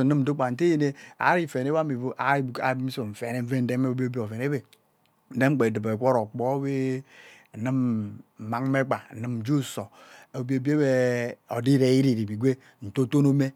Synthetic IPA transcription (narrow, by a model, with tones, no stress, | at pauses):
ɨ˦mn̩˦du˦k͡pa˨n̩˨te˦je˦ne˦a̰˨˦ɾi˦˨fe˨ne˦ba˦mi˨vo˦ʔa̰˨˦i˦bu˨ka̰˨˦bmi˦so˨m̩˨fe˨ne˦ve˦n̩˦de˦me˦o˦bi˦o˦bi˦o˨ve˨ne˦be˨ | n̩˦de˦ŋ͡m̩˦k͡pe˨dɨ˨be˨kʷo˦ɾo˨k͡po˦we˦˨ | nɨ˦m̩˨ma˨˦ŋ˦me˦k͡pa˨n̩˨nɨ˦m̩˨d͡ʒu˦˨so˨e˨bi˦o˨bi˦e˦be˦o̰˨di˦ɾe˨˦i˦ɾi˨ɾi˨bi˨ɡʷe˦ | n̩˨to˦to˦no˦me˦